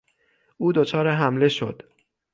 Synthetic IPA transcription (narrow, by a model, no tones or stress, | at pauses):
ʔuːd̪ot͡ʃʰɒːɾeɦæmle̞ʃo̞̰d̪̥